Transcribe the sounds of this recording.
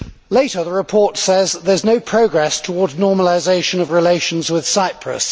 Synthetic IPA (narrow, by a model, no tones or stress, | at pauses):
leɪtəðəɹɪpʰɔˑtsɛzðəznəʊpʰɹ̥əʊɡɹɛstʰəwɔːdznɔːməlɪzeɪʃə̃nəvɹɪleɪʃə̃nzwɪð̥saɪpʰɹə̰s